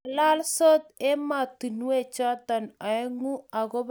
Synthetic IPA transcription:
la˦lso˦t̪e˦ma˨t̪i˨nwe˦˨t͡ʃa˦ta˨na˨ɛ˦ŋu˦a˨ɣo˦b

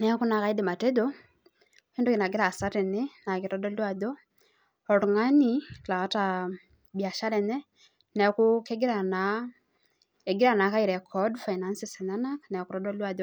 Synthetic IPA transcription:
nɛ˨ku˦na˨ka˦i˦di˨ma˨te˦dɔ | ki˦nduki˨na˨ɡi˦ɾaː˨sa˦ɾɛ˨nɛ˦na˨ki˨ɾɔ˦dɔ˦lwa˨ðɔ˦ | ɔ˨ɾuŋa˦ni˦˨la˨a˦ta | bia˨ʃa˦ɾɛ˨nɛ˦ | nɛ˨kuke˦ɡi˦ɾa˨na | e˨ɡi˦ɾa˨na˨ka˦iɾɛ˨kʰɔdfa˨ina˦nsisɛ˨na˦na˦knɛ˨ku˨ɾɔdɔ˦lwa˨ðɔ˦

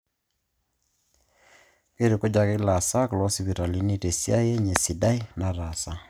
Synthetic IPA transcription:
ke˦ɾe˨ko˦d͡ʒa˨kɪ˦la˨sa˦kʊ˨lɔ˦si˦βi˨ɾa˨li˦ni˦te˨sja˦je˦ɲe˨si˨da˦i˦na˨ɾa˨sa˦

